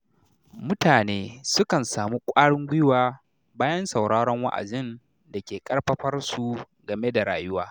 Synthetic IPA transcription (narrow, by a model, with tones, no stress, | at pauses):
mʊ˦taː˨neː˦sʊ˦kɐ˨nsaː˨mu˦kʷʼaː˦ɽɪ˦ŋɡʷɪ˦jwaː˦ | baː˦jɐ˦nsɐ˨wɽaː˦ɽɔ˦ŋwa̰˦ʔa̰˨d͡ʒɪ˦n | da˨kʲeː˨kʼɐ˦ɽɸɐ˦ɸɐ˦rsu˨ | ɡɐ˨me˦da˨ɽa̰ː˨jʊ˦waː˦